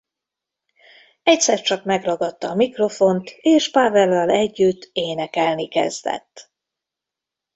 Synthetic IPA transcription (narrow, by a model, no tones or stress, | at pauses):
ɛcsɛrt͡ʃɒkmɛɡrɒɡɒt̪ːɒːmikro̞fo̞nt̪eːʃpavɛlːɒlɛɟːyt̪ːeːnɛkɛlnikɛ̰zd̪ɛ̰t̪ː